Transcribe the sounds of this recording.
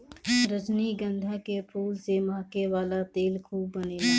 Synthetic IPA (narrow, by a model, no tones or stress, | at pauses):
ɾəd͡ʒniɡə̃nd̪ʱakepʰuːlsemaːkeʋaːlat̪eːlkʰuːbːəneːlaː